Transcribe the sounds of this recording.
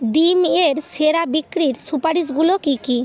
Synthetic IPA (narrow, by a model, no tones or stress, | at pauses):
ɖimeɾseɾabikːɾiɾsupaɾisɡulokiki